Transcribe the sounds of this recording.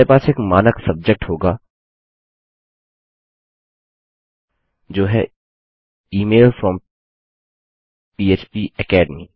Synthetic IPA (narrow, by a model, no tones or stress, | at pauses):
epaːseːkmaːnəksɐb̚d͡ʒək̚ʈɦoːɡaː | d͡ʒoːɦɛ̰ | iːmeːlfɾɔːm | piːeːt͡ʃpiːəkɛːɖmiː